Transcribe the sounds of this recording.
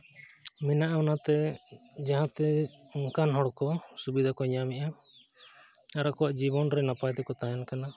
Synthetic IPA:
mɛnaʔanat̪ɛd͡ʒaɦãt̪ɛɔŋkanɦɔɽkɔsubid̪ʱakɔɲamɛʔa | aɾakɔwaʔd͡ʒibɔnɾɛnapajt̪ɛkɔt̪ajankana

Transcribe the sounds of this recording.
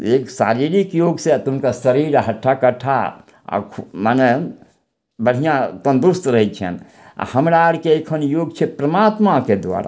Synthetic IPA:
eksa̰ɾiɾikjoɡset̪uɦnkasəɾiɾɦəʈʰːakəʈʰa̰ | ɔ̰kʰumane | bəɽ̤ijãt̪ənd̪ust̪ɾəɦɛt͡ʃʰɛ̰n | a̰həmɾaɽkeekʰənjoɡ̚t͡ʃʰɛpɾəmat̪maked̪ʋa̰ɾa̰

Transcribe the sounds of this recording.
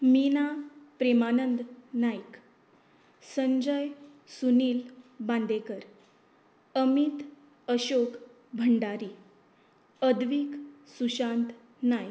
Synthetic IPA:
minapɾemanənd̪najk | səɲd͡ʑəj | suniːlbãnd̪ekəɾ | əmit̪ | əɕok | bʱəɳɖaɾiː | əd̪ʋiːksuɕant̪ | najk

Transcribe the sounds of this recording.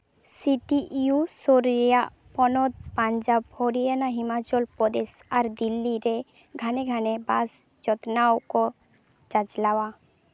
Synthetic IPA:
siʈiʔusoɾɾija | pɔnɔd̪̚pand͡ʒabhɔɾijanaɦimat͡ʃɔlpɔd̪esaɾd̪ilːiɾɛ | ɡʱaneɡʱanebas | d͡ʒɔt̪nawkɔ | d͡ʒad͡ʒlawa

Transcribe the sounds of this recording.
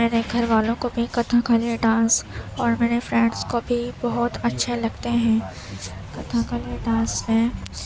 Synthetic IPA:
meːɾeɡʱɐɾʋaːlõkobʱikɐt̪ʰãkʰaːlieɖãːsɔːɾmeːɾefɾɛ̃ːɖskobʱibɐɦʊt̪ɐtːʃʰelɐɡt̪eɦɛ̃ː | kɐt̪ʰãkʰaːlieɖãːsmẽ

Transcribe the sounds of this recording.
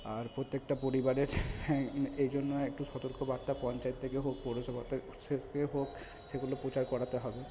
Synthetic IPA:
aɾpɾot̪ːekʈapoɾibaɾeɾ | ejd͡ʑonːoek̚ʈuʃɔt̪oɾkobaɾt̪apɔnt͡ɕajet̪ʰːekeɦok̚pɔɾosɔbʱat̪ʰ | sekeɦok | seɡulopɾot͡ɕaɾkɔɽat̪eɦɔbe

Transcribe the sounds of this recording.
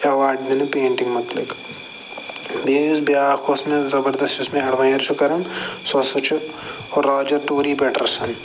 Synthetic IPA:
ɐʋaːɾɖd̪enɐpeːɳʈiŋɡmɐt̪lɐ̰k | beːzbejaːxʰoːsnezɐbɐɾd̪ɐst̪ɪsmẽɦɐɽʋɐ̃jɐɾt͡ʃʰukɐɾɐŋsɐsɐt͡ʃʰu | oɾːaːd͡ʒɐɾʈoːɾiːpeːʈɐ̰ɾsɐn

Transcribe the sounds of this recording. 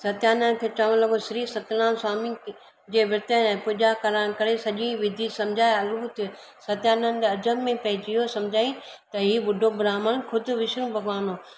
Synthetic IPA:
sɐt̪jaːnən̆kʰeːt͡ɕɐʋəñlɐɡosɪɾiːsɐt̪ɪlaːnsaːmĩ | d͡ʑeːʋɪɾt̪əɛ̃ːpʊd͡ʒakɐɾaːɽ̃kɐɾesɐʄĩʋɪd̪ʱisɐ̃md͡ʑʱaːeɐlbʊt̪o | sɐt̪jaːnənɪ̆d̪eɐd͡ʑəmmẽpɐɦɪd͡ʑiɦosɐ̃md͡ʑʱaːĩt̪ɐɦiːɓʊɖʱobʱɾaːməɽ̃kʰʊd̪ʱʊ̆ʋɪʃɾũbʱɐɡʋaːnoː

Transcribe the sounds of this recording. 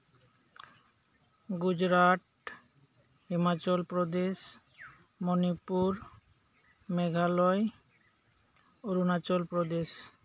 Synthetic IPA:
ɡud͡ʑɾaʈ | ɦemat͡ɕolpɾod̪eʃ | monipuɾ | meɡʱalɔe | oɾunat͡ɕolpɾod̪eʃ

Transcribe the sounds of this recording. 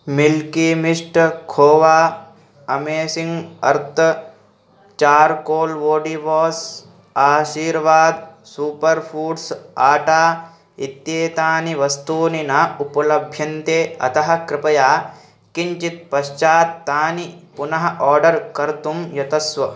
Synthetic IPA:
milkimiʂʈkʰoːʋaː | ɐmeːsiŋɡɐ̰ɾt̪ʰɐ | t͡ʃaːɾkoːlʋoːɖiʋɔːs | aːʃiːɾʋaːd̪ | suːpɐɾpʰuːɖsaːʈaː | ḭt̪jeːt̪aːniʋɐst̪uːninaːupɐlɐbʱjɐnt̪eːɐ̰t̪ɐɦɐ̆kɾɪpɐjaː | kiɲt͡ʃit̪̚pɐʃt͡ʃaːt̪ːaːnipunɐɦɐ̆ʔɔːɾɖɐɾkɐɾt̪umjɐt̪ɐsʋɐ

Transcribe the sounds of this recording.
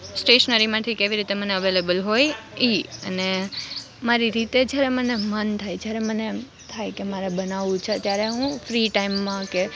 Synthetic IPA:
sʈeʃnəɾimãt̪ʰikeʋiɾit̪eməneəʋelebəlɦojiəne | maɾiɾit̪ed͡ʒjaɾemənemənt̪ʰajd͡ʒjaɾeməne | t̪ʰajkemaɾebənaʋũt͡ʃʰet̪jaɾeɦũfɾiʈaimːãke

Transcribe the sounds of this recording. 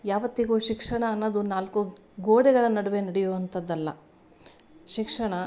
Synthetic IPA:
jaːʋɐt̪ːiɡuːʃikʂɐɳɐːnːoːd̪unaːlkuɡoːɽɛɡɐɭɐnɐɽɐʋenɐɽɛjoʋɐnt̪ɐd̪ːɐlːɐ̰ | ʃikʂɐɳɐ

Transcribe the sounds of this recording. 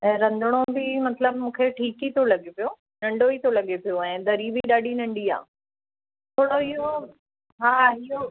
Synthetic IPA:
ɛ̃ːɾɐ̃nd̪ʱʊɽ̃obɪmɐt̪ləbmũːkʰeʈʰiːkit̪ʰolɐɠepijo | nɐ̃ɳɖoit̪ʰolɐɠepijoɛ̃ːd̪ɐɾibiɗaːɗinɐ̃ɳɖia̰ː | t̪ʰoːɽoɪɦo | ɦaːijo

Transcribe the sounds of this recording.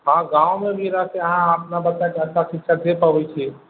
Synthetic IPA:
ɦãɡãumebʱiɾəɦseəɦãəpnabət͡ʃakeəsasikːʃʰad̪epəbɛt͡ʃʰi

